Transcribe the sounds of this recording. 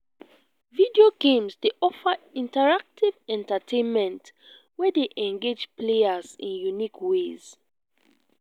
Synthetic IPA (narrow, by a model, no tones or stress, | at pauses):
vidioɡẽmzdeʔɔfəĩntəɹak̚tʰivɛ̃ntətʰẽnmɛ̃nt | wɛdeʔɛ̃ŋɡed͡ʒpleəzḭ̃njunikʰwez̥